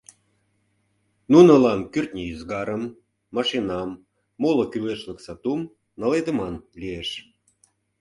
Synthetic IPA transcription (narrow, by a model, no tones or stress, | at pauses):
nunə̆lɑnkyrt̪nʲiyzɡɑɾəmː | ɑʃinɑmː | olə̆kyleʃlə̆ksɑt̪um | nɑled̪ə̆mɑnlieʃ